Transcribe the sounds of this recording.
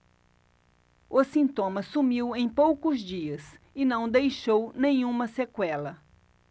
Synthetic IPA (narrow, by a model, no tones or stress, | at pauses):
ʊsĩnt̪õmɐsumiwẽj̃powkʊzd͡ʒiɐs | ɪnɐ̃w̃d̪ejʃownẽj̃ũmɐsekwɛlɐ